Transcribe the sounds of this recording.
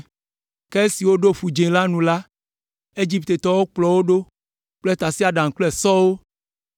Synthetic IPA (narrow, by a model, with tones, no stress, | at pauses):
kɛ˦e˦si˨wo˦ɖo˦ɸu˨d͡ʒẽ˨la˦nũ˨la˦ | e˦d͡ʒi˦p̚t̪e˨t̪ɔ˨wo˦k͡plɔ˨wo˦ɖo˦ | k͡plɛ˦t̪a˨si˦a˨ɖã˨ŋ̩˨klɔ˦ɛ˨sɔ˦wo˦